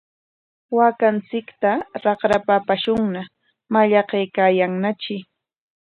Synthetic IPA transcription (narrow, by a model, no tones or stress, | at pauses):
wakant͡sɪkt̪aɾɑχɾapapaʃʊŋna | maʎɑqejkaːjaŋnat͡ʃɪ